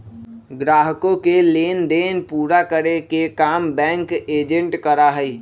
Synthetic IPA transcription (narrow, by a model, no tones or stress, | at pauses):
ɡɾaːɦkõkeleːnd̪eːnpuːɾakəɾekekaːmbɛ̃ːŋkeːd͡ʒə̃ɳʈkəɾaɦɛiː